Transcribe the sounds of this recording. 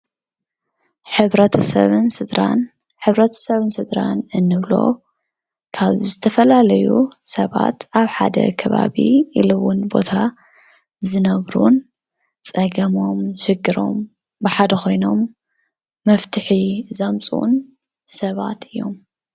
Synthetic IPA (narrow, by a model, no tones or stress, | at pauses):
ħɨβɾɐt̪ʰɐsɐβɨnsɨd̪ɾan | ħɨβɾɐt̪ʰɐ̥sɐβɨnsɨd̪ɾanɨnːɨβlo̞̰ | kʰaβzɨt̪ʰɐfɐlalɐjusɐβa̰t̪ʔaβħa̰d̪ɐ̰kʰɐβa̰βḭilɨwunbo̞t̪ʰa | zɨnɐβɾun | t͡sʼɐɡɐmo̞mʃɨɡːɨɾo̞̰m | bɨħad̪ɐkʰo̞jno̞mː | ɐft̪ʰɨħizɐmt͡sʼṵn | sɐβa̰t̪ɨjːo̞̰m